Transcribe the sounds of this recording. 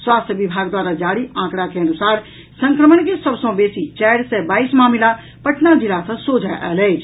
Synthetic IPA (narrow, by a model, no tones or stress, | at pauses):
swaːst̪ʰjəʋɪbʱaːɡd̪waːɾad͡ʒaːɽiʔãːkɽakeɐnʊsaːɾ | sə̃ŋkɾəməɳkesəbsõbeːsit͡ʃɛːɽsebaːismaːmla | pəʈnad͡ʒɪlasə̃soːd͡ʒʱaʔəːleːd͡ʒ